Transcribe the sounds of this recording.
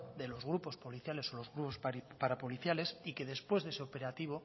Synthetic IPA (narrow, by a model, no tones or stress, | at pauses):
d̪e̞lo̞zɣɾupo̞spo̞liθjale̞so̞lo̞zɣɾupospaɾapo̞liθjale̞sike̞ðe̞spwe̞zðe̞seope̞ɾat̪iβ̞o̞